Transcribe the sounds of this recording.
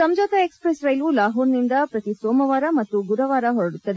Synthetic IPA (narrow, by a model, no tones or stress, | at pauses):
sɐmd͡ʒɐːt̪ɐekspɾesɾɐjlulaːɦuːɾnind̪ɐpɾɐt̪isoːmɐʋaːɾɐmɐt̪ːuɡuɾɐʋaːɾɐɦɔɾɐɽut̪ːɐd̪e